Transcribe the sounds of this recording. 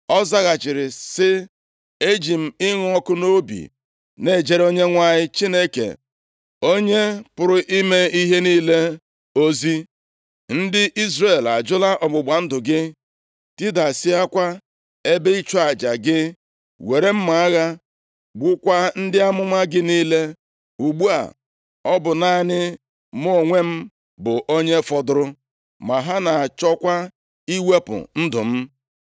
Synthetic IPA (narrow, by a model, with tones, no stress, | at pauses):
ɔ˦za˦ɣa˨t͡ʃɪ˨ɾɪ˨sɪ˦ | e˦d͡ʒi˨m̩˨ɪ˦ŋ˦ɔ˦kʊ˦no˦bḭ˨ | ne˦˨d͡ʒe˨ɾo˦ɲe˦ŋʷa˦ɲɪ˦t͡ʃi˦ne˦kḛ˨ | o˦ɲe˦pʊ˨ɾʊ˦ʔi˦me˦i˦ɦe˦niː˦le˦ | o˦zi˦ | n̩˦dɪ˦ʔi˦zre˨la˨d͡ʒʊ˦la˦ʔɔ˨ɡ͡bʊ˨ɡ͡ba˨n̩˦dʊ˨ɡɪ˦ | ti˦da˨sɪ˦a˦kʷa˦ | e˦be˦i˦t͡ʃɔ˦a˨d͡ʒa˨ɡɪ˦ | we˨ɾe˦m̩˦ma˨a˦ɣa˦ | ɡ͡bʊ˦kʷa˦n̩˦dɪ˦a˦mʊ˦ma˦ɡɪ˦niː˦le˦ | u˨ɡ͡bu˦a̰˨ | ɔ˦bʊ˨na˦nɪ˦ | mo˦˨ŋʷe˦m̩˦ | bʊ˨ʔo˦ɲe˦fɔ˨dʊ˦ɾʊ˦ | ma˨ɦa˦na˨a˨t͡ʃɔ˦kʷa˦ | i˦we˦pʊ̰˨n̩˦dʊ˨m̩˦